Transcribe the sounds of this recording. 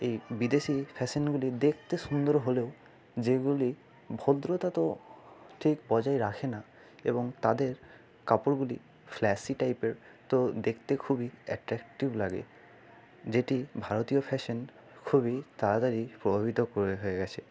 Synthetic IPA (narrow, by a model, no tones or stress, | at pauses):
ejbid̪esipʰɛsɔnɡulid̪ekʰt̪esund̪ɔɹɦoleʊ | zeɡuli | bʱod̪ɾot̪at̪ɔʈʰikbɔd͡ʑajɹakʰena | ebɔŋt̪ad̪eɹ | kapoɹɡuli | pʰlɛsiʈajpeɹ | t̪od̪ekʰt̪ekʰubiɛ̰ʈɹɛkʈiblaɡḛ | zeʈibʱaɹot̪iopʰɛsɔn | kʰubit̪aɹad̪aɹipɹɔbʱabʱit̪ɔkoɹeɦoeɡɛt͡ɕʰɛ